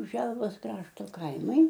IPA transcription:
ˈʒʲɛlˠʋoːs ˈkrɑːʃtoː ˈkɐɪmɐɪ

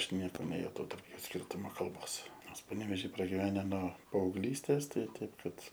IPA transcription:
ˈɐʃ ˈnʲiɛkoː nʲɛjʊˈtɐʊ tɐrp ˈjuː ˈsʲkʲiːrtʊmoː kɐlˠˈboːs ˈnoːrs pɐnʲɛʋʲɛˈʒʲiː prɐɡʲɪˈʋʲæːnʲɛ noː pɐɐʊɡˈlʲiːsʲtʲeːs ˈtɐɪ ˈtɐɪp ˈkɐt

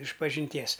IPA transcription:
ɪʃpɐʒʲɪnʲˈtʲiɛs

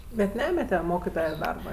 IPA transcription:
bʲɛt ˈnʲæːmʲɛtʲɛ ˈmoːkʲɪtoːjɛ ˈdɐrbɐ ˈɪr

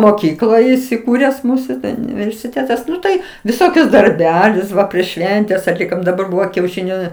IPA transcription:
moːˈkʲiːklˠoːj ɪsʲɪˈkuːrʲɛs ˈmuːsʊ ʊnʲɪʋʲɛrʲsʲɪˈtʲeːtɐs ˈnʊ tɐɪ ʋʲɪˈsoːkʲʊs dɐrʲˈbʲæːlʲʊs ˈʋɐ pʲrʲiɛʃ ˈʃʲʋʲɛnʲtʲɛs ɐtʲˈlʲɪkoːm dɐˈbɐr ˈbʊʋoː kʲɛʊʃʲɪˈnʲʊ

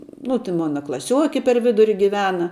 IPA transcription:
nʊ tʲɪ ˈmoːnɐ klˠɐˈsʲuɔkʲɪ pʲɛr ˈʋʲɪdʊrʲɪ ɡʲɪˈʋʲæːnɐ

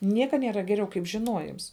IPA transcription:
ˈnʲiɛkɐ nʲiɛˈrɐ ɡʲɛˈrʲɛʊ kɐɪp ʒʲɪˈnuɔjɪms

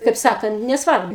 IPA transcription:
kɐɪp ˈsɑːkɐnt nʲɛsˈʋɐrbʊ

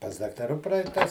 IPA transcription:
pɐs dɐktɐˈruː ˈprɐɪtɐs

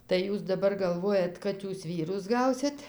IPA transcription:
tɐɪ ˈjuːs dɐˈbɐr ɡɐlˠˈʋoːjɛt ˈkɐt ˈjuːs ˈʋʲiːrʊs ˈɡɐʊsʲɪt

